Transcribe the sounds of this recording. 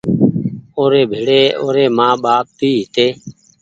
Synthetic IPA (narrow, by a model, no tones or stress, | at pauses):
oːɾeːbʱeːɽeːoːɾeːmãːɓaːp̚piːɦɪt̪eː